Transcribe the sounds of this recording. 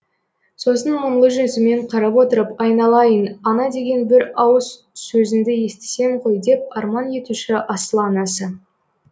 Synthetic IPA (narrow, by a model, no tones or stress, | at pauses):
so̞sənmʊɴlˠəʒʏnsɪme̞ɴqʰɑɾɑpwo̞t̪əɾəpɑjnɑlˠɑjənɑnɑd̪e̞ɡʲe̞nbɪɾɑwəz | sɵzɪnd̪ɪje̞st̪e̥se̞ɴqʰo̞jd̪e̞p̚ɑɾmɑnje̞t̪uʃɪʔɑsəlˠɑnɑsə